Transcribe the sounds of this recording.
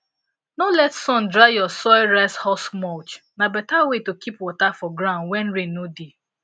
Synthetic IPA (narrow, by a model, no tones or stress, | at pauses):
nolɛtsɔ̃ndɾajɔsɔɪɹashɔsmɔt͡ʃnabɛtawetokʰipwɔtafɔɡɾãʊnwɛ̃n̩ɾenodi